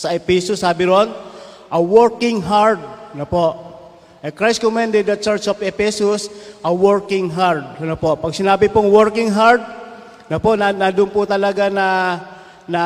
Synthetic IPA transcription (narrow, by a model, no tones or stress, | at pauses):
sɐʔɛpisosaːbɪɾonʔɐwɛɹkɪŋɦaɹd̪̚nopoʔ | ʔɐkɾajskomand̪ɛd̪ɐt̪̚t͡ʃɛɹt͡ʃofɛpɛsʊsʔɐwɛɹkɪŋɦaɹd̪̚ɐnopopɐɡ̚sɪnaːbɪpoŋwɛɾkɪŋɦaɾd̪̚ | nɐpoʔnanad̪ʊnpʊt̪ɐlɐɡanɐ | nɐ